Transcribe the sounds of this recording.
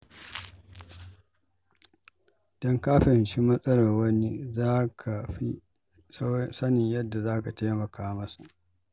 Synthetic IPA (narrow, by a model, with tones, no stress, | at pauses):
d̥ɔ˦ŋkaː˦ɸɪ˨nʃi˦mɐ˦sʼɐ˦lɐ˨rwɐ˦ni˦zaː˦kʰa˨ɸi˦ | ssɐ˦nɪ˨ɲjɐ˦dːa˨zaː˦ka˨ta˦jmɐ˨kaː˦mɐ˦su˨ʔ